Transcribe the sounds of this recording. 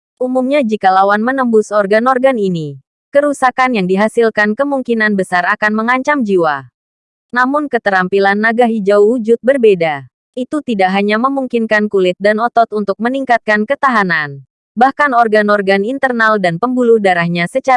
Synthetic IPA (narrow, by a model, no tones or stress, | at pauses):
ʔumumɲad͡ʒikalawanmənəmbʊsɔrɡanɔrɡanini | kəɾusakanjaŋdiɦasilkankəmuŋkinanbəsarakanməŋaɲt͡ʃamd͡ʒiwa | namʊnkət̪əɾampilanːaɡaɦid͡ʒauud͡ʒʊt̪̚bərbeda | ʔit̪ut̪idaʔɦaɲaməmuŋkinkankulɪt̪̚danɔt̪ɔt̪unt̪ʊk̚məniŋkat̪̚kankət̪aɦanan | bahkanɔrɡanɔrɡanint̪ərnaldanpəmbulʊhdaɾahɲasət͡ʃa